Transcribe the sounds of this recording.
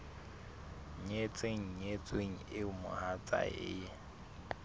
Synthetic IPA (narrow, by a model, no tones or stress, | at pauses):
ɲet͡sʼeŋ̩ɲet͡sʼweŋ̩ɪʊmʊ̰hat͡sʼa̰ḛːjɛ